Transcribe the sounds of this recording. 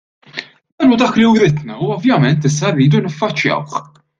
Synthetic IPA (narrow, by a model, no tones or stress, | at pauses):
d̪ɐnud̪ɐːkliwɾɪd̪nɐuɔvjɐmɛnt̪ɪs̬ːɐrːiːd̪unɪfːɐt͡ʃːjɐ̰wħ